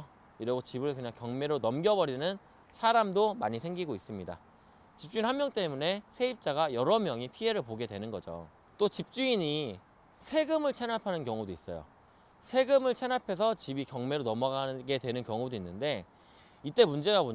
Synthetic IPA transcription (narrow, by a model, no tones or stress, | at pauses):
iɾiɡot͡ɕibɯɭkɯɲaŋkjʌŋme̞ɾonʌmɡjʌbʌɾinɯn | sʰaɾamdomaɲisʰe̞ŋɡiɡois͈ɯmɲida̰ | t͡ɕip̚t͡ɕ͈uinhammjʌŋt͈e̞mune̞sʰe̞ip̚t͡ɕ͈aɡajʌɾʌmjʌŋipʰie̞ɾɯɭpoɡe̞dwe̞nɯnɡʌd͡ʑo̰ | t͈ot͡ɕip̚t͡ɕ͈uiɲi | sʰe̞ɡɯmɯɭt͡ɕʰenapʰanɯnkjʌŋudois͈ʌ̰jo̰ | sʰe̞ɡɯmɯɭt͡ɕʰenapʰe̞s̬ʰʌt͡ɕibikjʌŋme̞ɾonʌmʌɡanɯɡe̞dwenɯnkjʌŋudoinːɯnde̞ | it͈e̞mund͡ʑe̞ɡabo